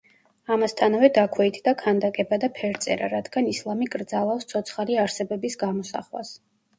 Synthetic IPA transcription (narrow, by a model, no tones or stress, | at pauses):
amast̪ʰanavɛd̪akʰwɛit̪ʰd̪akʰand̪akʼɛbad̪apʰɛɾt̪sʼɛɾaɾad̪ɡanislˠamikʼɾd̪zalˠafst̪sʰɔt̪sʰχaliaɾsɛbɛbisɡamɔsa̰χwa̰s